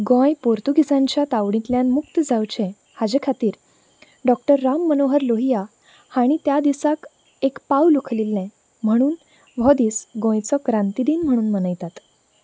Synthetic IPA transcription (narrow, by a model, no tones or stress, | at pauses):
ɡõjpoɾt̪uɡʱisãɲt͡ɕjat̪aʋɽ̃ĩt̪ljãnmuk̚t̪əd͡zʱawt͡ɕẽ | had͡ʑekʰat̪iːɾ | ɖɔk̚ʈəɾːamːənoɦəɾloɦija | haɽ̃it̪jad̪isak | ekpawlukʰlilːɛ̃ | m̤əɽ̃uːn | ʋʱɔd̪iːsɡõjt͡sɔkɾãnt̪id̪iːnm̤əɽ̃uːnmənəjt̪at̪